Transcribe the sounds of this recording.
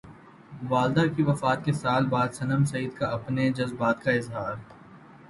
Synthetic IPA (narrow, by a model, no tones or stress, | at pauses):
ʋaːld̪akiʋɐfaːt̪̚kesaːlbaːd̪sɐnəmsɐiːd̪kaɐpned͡ʒɐzbaːt̪kaɪzɦaːɾ